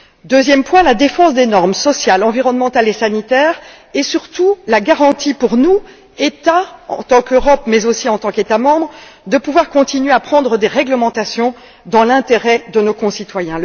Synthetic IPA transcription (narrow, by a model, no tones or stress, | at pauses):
d̪øzjɛmpwɛ̃lad̪efɑ̃sd̪enɔʁmsɔsjalɑ̃viʁɔnmɑ̃t̪alesanit̪ɛːʁ | esyʁt̪ulaɡaʁɑ̃t̪ipuʁnu | ɛt̪aɑ̰̃t̪ɑ̃køʁɔpmɛzosiɑ̃t̪ɑ̃ket̪amɑ̃bʁd̪əpuvwaʁkɔ̃t̪inɥeapχɑ̃d̪ʁəd̪eʁɛɡləmɑ̃t̪asjɔ̃ | d̪ɑ̃lɛ̃t̪eʁɛd̪ənokɔ̃sit̪wajɛ̃